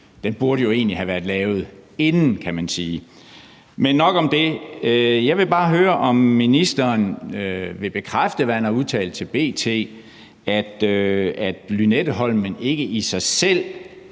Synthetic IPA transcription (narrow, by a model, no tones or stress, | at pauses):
d̥enb̥uɐɾəjo̝e̝ːnlihæʋæɐd̥ˠlɛːʊð̞̩ˠe̝nn̩kʰæmænsiː | menːɒ̽ɡ̥ɒ̽md̥e̝ | jɑ̈ɪʋe̝b̥ɑ̈ːɦøːɐʔɒ̽mːinisd̥ɐːn | ʋe̝b̥e̝kʰʁafd̥əʋæɐænɐuð̞ˠt͡sʰɛ̰ːlt͡sʰe̝lb̥e̝̰ːt͡sʰe̝̰ː | æd̥æd̥lynedəɦɒ̽l̰mene̝ɡ̥əʔisɑ̈ɪsel̰